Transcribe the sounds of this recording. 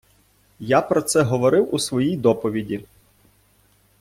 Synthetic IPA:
japɾɔt̪sɛɦɔʋɔɾɪwusʋɔjijd̪ɔpɔʋʲidʲi

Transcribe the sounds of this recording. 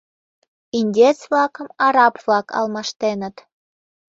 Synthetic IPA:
inʲdʲet͡sβlɑkə̆mɑɾɑpvlɑkʰɑ̰lˠmɑʃt̪enə̆t̪

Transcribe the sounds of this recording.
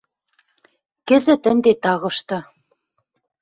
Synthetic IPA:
kɘ̆zɘ̆t̪ɘ̆nd̪et̪ɑɣɤ̆ʃt̪ɤ̆

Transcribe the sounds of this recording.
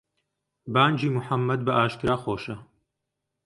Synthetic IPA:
baːnd͡ʒiːmuħamːɐd̪̚bɐʔaːʃkɨɾaːxoːʃɐ

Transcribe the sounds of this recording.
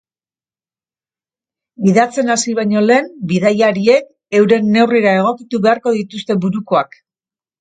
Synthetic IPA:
iðat͡se̞nasiβajɲo̞le̞ːmbiðajaɾie̞k | e̞wɾe̞nːe̞wriɾae̞ɣ̞o̞kit̪uβe̞aɾko̞ð̞it̪ust̪e̞buɾukoak

